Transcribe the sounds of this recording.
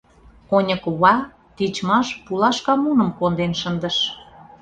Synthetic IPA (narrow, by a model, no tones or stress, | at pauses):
onʲə̆kβɑ | t̪it͡ɕmɑʃpulɑʃkɑmunə̆mkond̪enʃənd̪əʃ